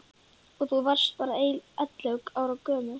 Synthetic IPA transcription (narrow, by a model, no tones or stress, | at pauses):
ɔɣθuvar̥st̪̚paːɾaeːjlɛt̪lœwkaːwɾawkœːmʏ